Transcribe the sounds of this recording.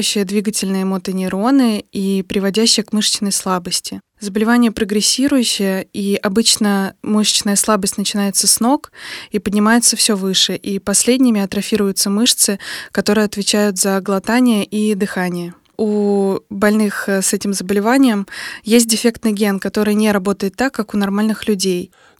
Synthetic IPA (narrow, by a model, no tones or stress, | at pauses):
ɕːɪjəd̪vʲiɡətʲɪlʲnɨjəmot̪ɨnʲɪɾo̞nɨipɾʲɪvɐdʲæɕːɪjəkmɨʂt͡ɕɪnːəjslˠabəsʲtʲɪ | zəbəlʲɪvanʲɪjəpɾəɡɾʲɪsʲːiɾʊjʉɕːɪjəiʔɐbɨt͡ɕnəmɨʂt͡ɕɪnəjəslˠabəsʲtʲnət͡ɕɪnajɪt̪səsno̞kipədʲnʲɪmajɪt̪səfsʲɵvɨʂɨʔipɐsʲlʲedʲnʲɪmʲɪɐt̪ɾɐfʲiɾʊjʊt̪səmɨʂt̪sɨkɐt̪o̞ɾɨjɐt̪vʲɪt͡ɕæjʊt̪zəɡlˠɐt̪anʲɪjəʔid̪ɨxanʲɪjə | ubɐlʲnɨxsɛtʲɪmzəbəlʲɪvanʲɪjəmjes̬ʲt̚ʲdʲɪfʲe̞kt̪nɨjɡʲe̞nkɐt̪o̞ɾɨjnʲeɾɐbo̞t̪əjɪt̪ːakːakʊnɐrmalʲnɨxlʲʉdʲej